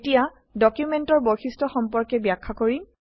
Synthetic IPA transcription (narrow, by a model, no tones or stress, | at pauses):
tija | dɔkjumɛntɔɹboxistɔxɔmpɔɹkɛbjakʰːakoɹi